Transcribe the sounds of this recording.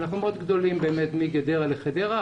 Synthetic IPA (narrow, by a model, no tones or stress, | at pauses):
naχnumeod̪ɡd̪o̞limbeːmet̪miɡed̪eʁaleχed̪eʁa